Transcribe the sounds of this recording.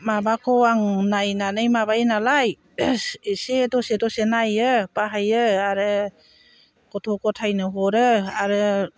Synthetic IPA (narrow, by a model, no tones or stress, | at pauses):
mabakʰɔaŋnajnanɯjmabajnalaj | sedɔsedɔsenajɯpaɦajɯaɾɯ | kɔtʰɔkʰɔtʰajnɯɦɔɾɯaɾɯ